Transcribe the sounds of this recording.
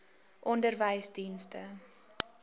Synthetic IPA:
ʔɔndərvəjsdinstə

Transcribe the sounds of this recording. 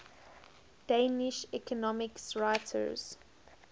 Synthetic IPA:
d̥eːnɪʃɛkʰɔnɔmɪksɹaɪtʰə̰z̥

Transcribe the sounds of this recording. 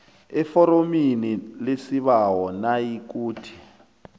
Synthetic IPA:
ɛfɔɾominilesiβawɔnajik̬uːtʰi̥

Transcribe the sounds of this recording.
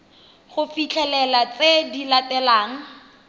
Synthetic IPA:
χʊfit͡ɬʰɛlɛlat͡sedilatɛlaːŋ̩

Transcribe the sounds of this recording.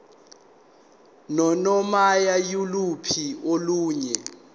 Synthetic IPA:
nɔnɔmajajulupʰioluːɲɛ

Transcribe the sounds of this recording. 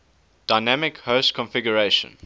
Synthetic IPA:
d̥aɪnæmɪkhəʊstkʰɔ̃nfɪɡjəɹeɪʃə̰̃n

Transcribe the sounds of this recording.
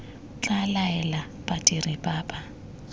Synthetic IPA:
t͡ɬalaɛla | pʼatʼirɪpʼaːpʼa

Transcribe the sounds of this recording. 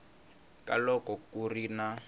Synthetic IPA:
kalɔkɔkurina

